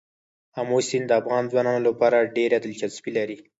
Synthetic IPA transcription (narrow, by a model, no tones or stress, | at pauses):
amosind̪əafɣɑnzwɑnɑnolapɑɾaɖeɾad̪əlt͡ʃaspilaɾi